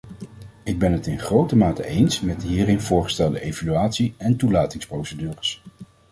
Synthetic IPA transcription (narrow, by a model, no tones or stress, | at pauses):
ɪɡ̚bɛnɦətɪnχrowtəmaːtə̰ʔejnsmɛtɦiːrɪnv̥ʊːɹχə̥stɛlˠdəʔejvalyaːtsiɛntulaːtɪŋsprowsədyːrəs